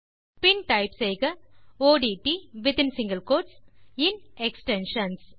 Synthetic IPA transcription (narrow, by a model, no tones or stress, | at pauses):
pɪnʈɐɪpsejɣɐoːɖiʈiʋɪt̪ɪ̃nsɪ̃ŋɡɐlkoːɾʈsɪnɛksʈɛnʃɐns